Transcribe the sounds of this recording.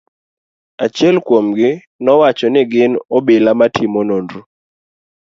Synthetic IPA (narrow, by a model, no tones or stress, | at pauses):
at͡ʃjɛlkwomɡɪ | nɔwat͡ʃɔnɪɡɪnɔbelamatʰɪmɔnondu